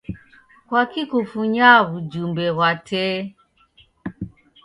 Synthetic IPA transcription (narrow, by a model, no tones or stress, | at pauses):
kwakikufuɲaβud͡ʒumbɛɣwatʰɛ